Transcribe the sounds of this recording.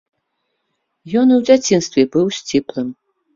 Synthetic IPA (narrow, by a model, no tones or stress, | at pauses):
jɔnɨwd͡zʲat͡sʲinst̪vʲɛbɨwsʲt͡sʲiplˠɨm